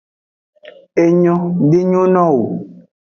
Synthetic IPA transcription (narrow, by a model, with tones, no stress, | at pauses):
e˨ɲɔ̃˦ɖe˦ɲõ˦nɔ̃˦wo˨